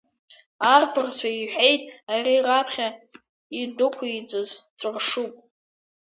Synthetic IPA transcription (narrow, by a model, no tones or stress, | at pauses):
arpʰɨrt͡ʃʷʰaiħʷᶣejtʼarirapʰχʲa | idʊkʷʰait͡sʷʼɨzt͡sʷʼɨrʂupʼ